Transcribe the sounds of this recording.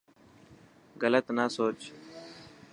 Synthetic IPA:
ɣələt̪naːsoːt͡ʃ

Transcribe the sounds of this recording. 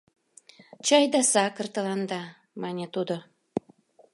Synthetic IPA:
t͡ɕɑjd̪ɑsɑkə̆rt̪ə̆lɑnd̪ɑ | mɑnʲet̪ud̪o

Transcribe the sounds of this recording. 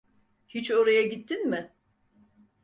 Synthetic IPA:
hit͡ʃo̞ɾajaɟit̪ʰːinmɪ

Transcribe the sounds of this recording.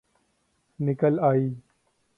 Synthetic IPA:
nɪkəlaːiː

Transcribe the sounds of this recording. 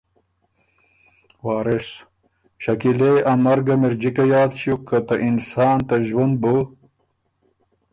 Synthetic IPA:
waːɾes | ɕɐkileɐmɐɾɡɐmiɾd͡ʑikɐjaːd̪ɕukːɐt̪ɐʔinsaːnt̪ɐʒwɐnbo

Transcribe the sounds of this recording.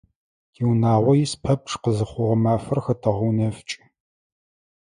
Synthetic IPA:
iwnaːʁʷɔjispʰɐp̚ʈ͡ʂʰʼqəzɨχʷʊʁɐmaːfɐrxɐtʰɐʁunɐft͡ʃʼɪ̥

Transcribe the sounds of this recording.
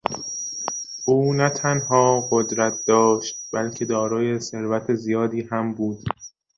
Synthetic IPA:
ʔuːnæt̪ʰænhɒːɢod̪ɾæt̪̚ʰd̪̥ɒːʃt̪̚bælcʰe̞d̪ɒːɾɒːje̞se̞ɾvæt̪ʰezijɒːd̪iːhæmbuːd̪̥

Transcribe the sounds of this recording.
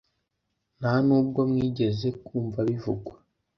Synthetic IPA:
nanuːb̚ɡo̞mŋiːɟe̞ze̞kuːɱvaβivuɡwa

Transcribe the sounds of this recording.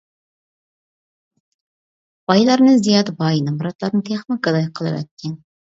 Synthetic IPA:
b̥ɑjlˠɑɾnɨzijɑd̪ɨbɑjinɨmɾɑt̪lˠɑɾnɨt̪ʰeχnɪkɑd̪ɑjqʰəlˠɨ̰vɛ̰t̪̚kʲʰːɛn

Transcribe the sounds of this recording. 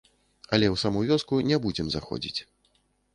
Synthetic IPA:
ɐlʲɛwsamɔvʲɔskunʲɛbud͡zʲɛmzaxɔ̰d͡zʲḭt͡sʲ

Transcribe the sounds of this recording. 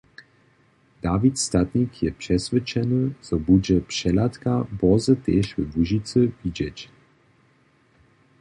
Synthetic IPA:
d̪̥avit̪st̪at̪ɲikʰjɛpʂɛsvɛt͡ʃɛnɨz̥ɔbud͡ʑɛpʂɛlat̪kabɔzət̪ɛʃvəvuʒit͡sɨvid͡ʑɛt͡ɕ

